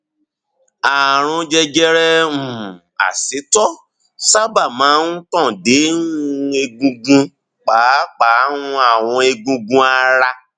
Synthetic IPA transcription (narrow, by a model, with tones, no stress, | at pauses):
a˨ɾ̃ũ˧d͡ʒɛ˧d͡ʒɛ˧ɾɛ̃˧ũ˨ | a̰˨si˨˦tɔ˦ | sa˦ba˦˨mãː˨˦n̩˦tɔ̃˦˨de˨˦ũ˦e˧ɡũ˧ɡũ˧ | k͡pa˨˦k͡pa˨˦nũ˧a˦˨w̃ɔ̃˧e˧ɡũ˧ɡũ˧a˧ɾa˧